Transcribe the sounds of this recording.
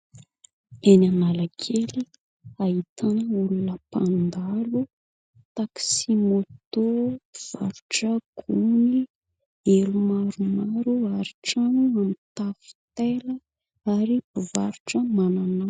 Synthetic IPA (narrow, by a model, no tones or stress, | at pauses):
enanalakʰeli | ait̪ʰanəulunəpand̪alu | t̪aksimot̪obiv̥a̰ɾuʈ͡ʂəɡ̥uni | elumaɾumaɾuaɾiʈ͡ʂanuamit̪afi̥t̪elə | aɾibivaɾuʈ͡ʂəmananaw